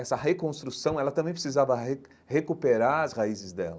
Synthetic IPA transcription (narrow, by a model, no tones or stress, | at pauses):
ɛsɐɦekõst̪ɾusɐ̃w̃ɛlɐt̪ɐ̃bẽj̃pɾɪ̥sizavɐe | hekupeɾaɾɐshaizɪzd̪ɛ̰lɐ